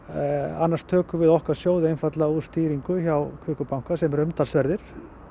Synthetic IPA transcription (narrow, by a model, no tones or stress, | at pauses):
a̰nːaɾst̪ʰœːkʏvɪðɔhkḁsjoːwðɪejnfat̪lauð̥st̪iːɾiŋkʏçawkʰvʏːkʏpawŋ̥kasɛmɛɾʏmt̪alsvɛɾðɪɾ̥